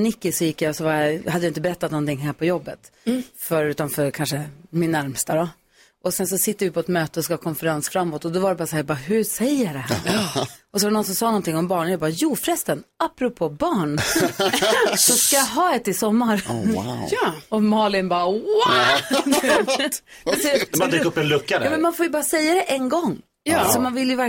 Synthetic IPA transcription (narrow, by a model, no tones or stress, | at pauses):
nɪkːɪsɔjɪkːjasɔvaɾjahad̪jaɪnt̪əbɛɾɛt̪ːat̪nɔnt̪ʰɪŋːɦæːɾpʰɔjɔbːət̪fœɾʉ̟ːt̪amfœɾkʰanʂəmɪnːæɾmst̪ad̪ɔ | ʔɔsɛnsɔsɪt̪ːəɾvɪpʰɔɛt̪møːt̪əɔskhːkʰɔnfɛɾansfɾamːoːt̪ːɔd̪ɔvaɖɛbɑːɾasahæːjabɑːɦʉsɛjːəɖɛɦæ̰ɾɔsɔvaɾnɔns̬ɔmsɑːnɔnt̪ʰɪŋːɔmbɑːɳənjaːbɑːjuːfɾɛst̪ənapːɾʊpʰoːbɑːɳ | sɔskajaɦɑːɛt̪ːɪsɔmːaɾ | ɔmɑːlɪnbɑːwa | jasɛakɵpːɛnlɵkːad̪ɑːmɛnmanfoːjɵbɑːɾasɛjːad̪ɛʔɛnɡɔŋː | jsɔmanvɪljɵvæ